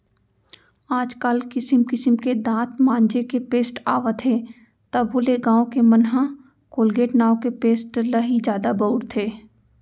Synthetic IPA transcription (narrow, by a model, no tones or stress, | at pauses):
aːd͡ʒkəlkɪsɪmkɪsəmked̪ãːt̪mãːnd͡ʒekepeːsʈa̰ːʋat̪ʰe | t̪ɐbɦʊleɡãːõkemɐnɦã | koːlɡeːʈnaːõkepeːsʈləɦid͡ʒjaːd̪abəʊɽt̪ʰeː